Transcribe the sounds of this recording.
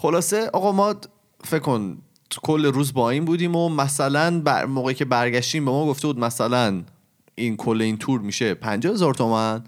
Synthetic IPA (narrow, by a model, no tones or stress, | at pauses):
χo̞lɒːse̞ʔɒːɣɒmɒː | feckːon̥ʰ | kʰolːe̞ɾuːzbɒːiːnbuːd̪iːmomæsælænbæ̰moːɣeiːcʰe̞bæɾɟæʃt̪iːmbemɒːɡoft̪e̞buːd̪̚mæsælæn | inkʰolːeiːnt̪ʰuːɾmiːʃe̞pʰænd͡ʒɒːhe̞zɒːɾt̪ʰomæn